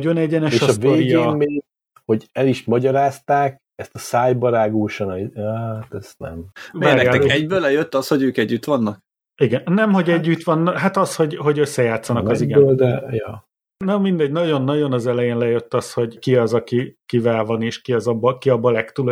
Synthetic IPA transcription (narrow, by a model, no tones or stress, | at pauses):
ɟonɛɟɛnɛʃeɒstvoːɾijɒɡmeː | ho̞ɟɛliʃmɒɟɒɾaːst̪aːk̚ | ɛst̪ɒsaːjbɒɾaːɡuːʃɒnɛat̪ɛsnɛ̰mvaːnɛjaːɛɛɟbøːlɛjøt̪ːɒsho̞ɟøːkɛɟːyt̪ʋɒnːɒk̚ | iɡɛnnːɛmho̞ɟɛɟːyt̪ʋɒnːɦat̪ɒsho̞ɟɦo̞ɟø̞sːɛjaːt̪sːɒnɒkɒziɡɛøːld̪ɛjɒː | nomind̪ɛɟnɒɟo̞nːɒɟo̞nɒzɛlɛjeːnlɛjø̞t̪ːɒsho̞ɟkiɒzɒkikivɛlvɒneːʃkiɒzɒbːɒkiɒbːɒlɛkt̪ul